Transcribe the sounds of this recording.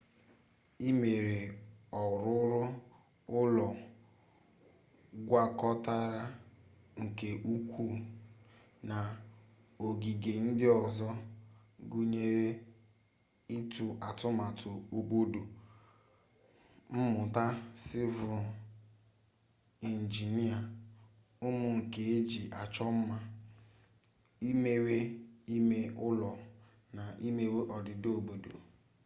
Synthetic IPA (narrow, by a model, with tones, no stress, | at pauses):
i˦me˨ɾe˨ɔ˨ɾʊ˦ɾʊ˦ | ʊ˦lɔ˨ | ɡʷa˦kɔ˦ta˦ɾa˦ | ŋ̩˨ke˨ʔu˦kʷu˦ | na˨ | o˨ɡi˨ɡe˨n̩˦dɪ˦ɔ˨zɔ˦ | ɡu˦ɲe˦ɾe˦ | i˦tu˨ʔa˨tʊ˦ma˨tʊ˨o˨bo˦do˨ | m̩˦mʊ˨ta˦sɪ˦vʊ˨ | i˨n̩˨d͡ʒi˨ni˦a˨ | ʊ˦mʊ˦˨ŋ̩˨ke˨e˦d͡ʒi˨ʔa˨t͡ʃɔ˦m̩˦ma˦ | i˦me˦we˦i˦me˦ʔʊ˦lɔ˨ | na˨ʔi˦me˦we˦ʔɔ˨dɪ˨do˨bo˨do̰˨